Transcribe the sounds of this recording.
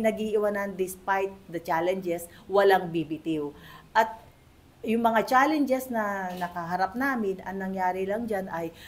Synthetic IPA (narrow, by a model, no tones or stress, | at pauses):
nɐɡiʔɪwɐnɐnd̪ɪspajt̪̚d̪ɐt͡ʃalɛnd͡ʒɛswɐlaŋbibɪt̪ɪwʔɐt̪̚ | jʊŋmɐŋat͡ʃalɛnd͡ʒɛsnɐnɐkɐɦɐɾap̚naːmɪnʔɐŋnɐŋjaːɾɪlɐŋd͡ʒanɐj